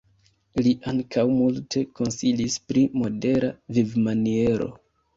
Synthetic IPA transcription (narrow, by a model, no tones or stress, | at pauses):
liʔaŋkʰawmultʰe̞ko̞nsilispɾimo̞de̞ɾavivmanie̞ɾo̞̰